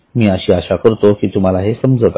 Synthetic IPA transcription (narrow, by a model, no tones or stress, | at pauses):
miːaɕiːaɕakəɾt̪okiːt̪um̤alaɦesəmd͡zət̪